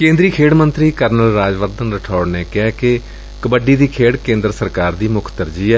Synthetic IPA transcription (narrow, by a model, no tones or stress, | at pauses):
kẽːnd̪ɾiːkʰeːɽmənt̪ɾiːkəɾnəlɾaːd͡ʒʋəɾd̪ənɾəʈʰaːɽneːkɪɛːke | kəbəɖiːd̪iːkʰeːɽkẽːnd̪ɾəsəɾkaːɾd̪iːmʊkʰt̪əɾd͡ʒiːɛː